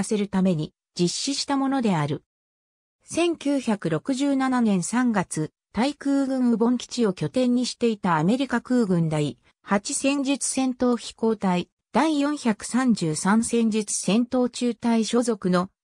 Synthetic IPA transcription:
se̞ɾɯ̟t̪ame̞ɲ̟i | d͡ʑiɕːiɕi̥t̪amo̞no̞d̪e̞aɾɯ̟ | sẽ̞ŋkʲɨːçakɯ̟ɾo̞kɯ̟ʑɨːnananẽ̞ɰ̃sãŋɡat͡sɨ | t̪aikɯ̟ːɡɯ̟̃ɰ̃ɯbõ̞ŋkʲi̥t͡ɕio̞kʲo̞t̪ẽ̞ɲ̟ːiɕi̥t̪e̞it̪aːme̞ɾʲikakɯ̟ːɡɯ̟̃nd̪ai | hat͡ɕisẽ̞ɲd͡ʑit͡sɨ̥sẽ̞nt̪o̞ːçʲi̥ko̞ːt̪ai | d̪̥aijõ̞ɰ̃çʲakɯ̟̥sãɲd͡ʑɨːsãɰ̃sẽ̞ɲ̟d͡ʑit͡sɨ̥sẽ̞nt̪o̞ːt͡ɕɨːt̪aiɕo̞ːzo̞kɯ̟no̞

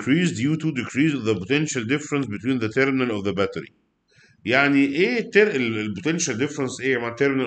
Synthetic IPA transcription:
kɾiːzd̪juːt̪ud̪ɪkɾiːzvðəpot̪enʃæld̪ɪfɾensbet̪wiːnðæt̪eɾmɪnælɔvðəbæt̪əɾḭ | jaʕniʔeːt̪ːeɾʔelelpot̪enʃæld̪ɪfɾensʔeːmaʕt̪ːeɾmɪnæ

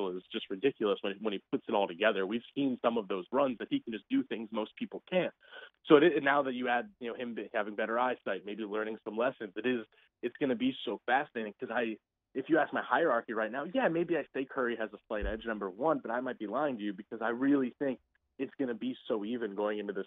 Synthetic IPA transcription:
l̩ˠɪz̥d͡ʒ̥ʌst̚ɹɨdɪkjl̩ˠəswə̃nwə̃ñip̚ʰʊtsɨɾɔlˠtʰɨɡɛðə˞wiv̥sĩnsʌ̃mʌvðoʊzɹʌ̃nzðɨt̚hikʰn̩d͡ʒʌsd̥ɨθɪ̃ŋzmoʊspʰipl̩ˠkʰæ̃n | soʊɾɪnːaʊðɨt͡ʃɨɨd̚jɨnoʊhɨ̃mbɪt̚hævɪ̃ŋbɛɾə˞aɪsaɪt̚meɪbilɜ̃˞nɪ̃ŋsʌ̃mlɛsɨ̃nzɨɾɪz | ɨtsɡ̥ʌnɨbisoʊfæsɨneɪɾɪ̃ŋkʰʌzaɪ | ɨfjɨæsk̚maɪhaɪə˞ɑɹkiɹaɪtⁿnaʊjæmeɪbiaɪseɪkʰɜ˞iɨzəslaɪɾɛd͡ʒnʌ̃mbə˞wʌ̃nbʌɾaɪmaɪt̚b̥ilaɪɪ̃ŋtʰɨjɨbɨkʰʌzaɪɹɪlˠiθɪ̃ŋk̚ | ɨtsɡ̥ʌnɨbisoʊivɨ̃nɡoʊɪ̃ŋɨ̃ntɨðɪs

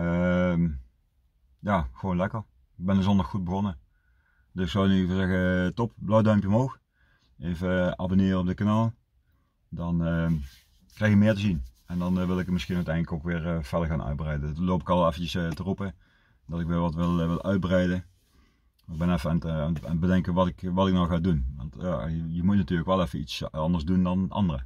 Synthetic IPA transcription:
əm | jaːxəʋoːnlɛkəɹ | ɪɡ̚bɛnəzɔndɑxud̚bəɣonə | d̥øsɪksonykozɛɣətɔpblɑwdœɥmpjəɔmɦowx | ʔejvəɑ̰bonɪːrəɔb̚dəkanaːlˠ | dɑnə | krɛjxɪkmɪːɹtəzin | ɛndɑnʋɪlˠɪkəmɪsxinœɥtɛjndləkowkʋɪːɹfɛdəɹɣaːnʔœ̰ɥd̚brɛjdənlowpɪkɑlˠʋˠɛfəcəstərupə | d̥ɑtɪkʋɪlˠʋɑtʋɪlˠʋɪlˠʔœɥd̚bərɛjdə | ɪɡ̚bɛnɛfəaːnana̰nbədɛŋkəʋɑtɪkʋɑtɪknɔxxaːdunʋɑ̰ntja̰jəmutnatyːləkʋɛlˠɛfəitsɑndəɹzdundɑnʔɑ̰ndərə̰

